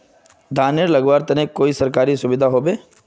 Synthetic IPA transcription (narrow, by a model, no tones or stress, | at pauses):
d̪ʱaːneɾlɐɡʋaːɾt̪ɐnẽkoːisɐɾkaːɾisʊbɪd̪ʱaɦoːbeː